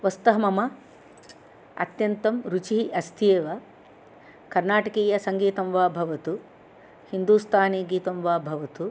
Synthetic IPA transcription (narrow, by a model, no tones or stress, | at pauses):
ʋɐst̪ɐɦɐmɐmɐ | ɐ̰t̪jɐnt̪ɐmɾut͡ʃiiʔɐst̪ʰeːʋɐ | kɐɾnaːʈɐkeːjɐsɐŋɡiːt̪ɐmʋaːbʱɐʋɐt̪u | hind̪uːst̪ʰaːneːɡiːt̪ɐmʋaːbʱɐʋɐt̪u